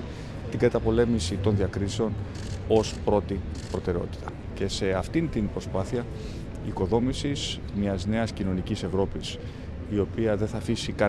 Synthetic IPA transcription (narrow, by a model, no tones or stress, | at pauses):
t̪iɡɐt̪ɐpo̞le̞misit̪o̞nðiɐkɾiseo̞n | o̞spɾo̞t̪ipɾo̞t̪e̞ɾeo̞t̪i̥t̪ɐ | ce̞se̞ɐft̪int̪inpɾo̞spɐθiɐ | iko̞ðo̞misiz̥ | mɲɐzne̞ɐscino̞nicise̞vɾo̞pis | io̞piɐðenθɐːfisikɐ